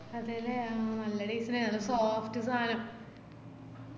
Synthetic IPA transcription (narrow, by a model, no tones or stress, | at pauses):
ɐðejlemɐlːɐɽiːsinenːɐlːɐsoːfʈɨsaːnɐm